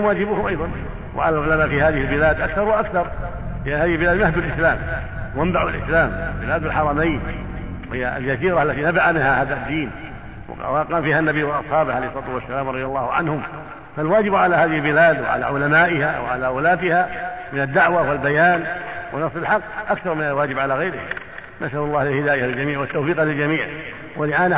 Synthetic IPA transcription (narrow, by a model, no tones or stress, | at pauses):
mwaːd͡ʒɪbʊhʊmʔajðˤɑn | wa̰ʕa̰lalʕʊlamaːʔfihaːðɪhɪlbɪlaːd̪ʔakθɑɾˤwaʔakθɑɾˤ | lɪʔanhaːðɪhɪlbɪlaːd̪nahd̪alʔɪslaːm | wambaʕulʔɪ̰slaːmbɪlaːd̪alħɑɾˤɑmajnhɪjːa̰ld͡ʒasiːɾaʔalːat̪inabaʕamɪnhahaːðad̪ːiːn | w̰waqɑanfiːhanːabijwɪlʔɑsˤħɑːbɪʕalejhsˤɑːt̪wasːalaːmɾˤɑðˤjɑlˤːɑːhʊʕa̰nhʊm | falwaːd͡ʒɪbʕalahaːðɪhɪlbɪlaːd̪wɪ̰ʕa̰la̰ʕʊlamaːʔɪhawɪ̰ʕa̰lawʊlaːt̪ɪhamɪnad̪ːaʕwawɪlbajaːnwʔɪnɑsˤːɪlħɑqːʔakθɑɾˤmɪnalwaːd͡ʒɪbʕalaɣajɾɪha̰ | nasʔalʊlˤːɑːhlɪlhɪd̪aːjahlɪld͡ʒamiːʕwat̪ːawfiːqhalɪld͡ʒamiːʕ | walɪʔaːn